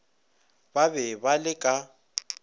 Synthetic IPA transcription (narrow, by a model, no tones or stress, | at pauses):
baβɛbalɪkʼa